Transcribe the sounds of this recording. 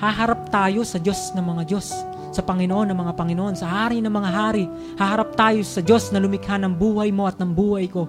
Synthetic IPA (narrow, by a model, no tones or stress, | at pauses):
haɦaɾap̚t̪aːjosɐd͡ʒosnɐŋmɐŋad͡ʒosː | ɐpɐŋɪnoʔonːɐŋmɐŋapɐŋɪnoʔonsɐɦaːɾinɐŋmɐŋaɦaːɾi | hahaɾap̚t̪aːjosɐd͡ʒosnɐlumɪkhanɐŋbuːhajmoʔɐt̪̚nɐŋbuːhajko